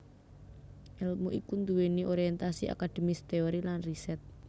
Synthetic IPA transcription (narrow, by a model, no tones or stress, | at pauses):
ʔɛlmuʔikund̪uweniʔoɾiɛnt̪asia̰kad̪̥e̤mist̪eoɾilanrisɛt̪̚